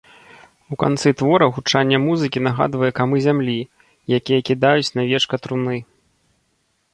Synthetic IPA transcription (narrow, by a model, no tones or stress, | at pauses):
uka̰nt̪sɨt̪vɔɾɐɣut͡ʂanʲːɐmuzɨkʲinɐɣa̰d̪vɐjɛkamɨzʲamlʲi | jakʲijɐkʲid̪ajut͡sʲnavʲɛt͡ʂkɐt̪ɾunɨ